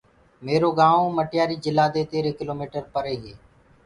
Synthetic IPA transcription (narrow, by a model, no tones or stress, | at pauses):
meːɾoːɡãːʋõːməʈjaːɾiːd͡ʒɪlaːd̪eːt̪eːɾeːkɪloːmiːʈəɾpəɾeːɦeː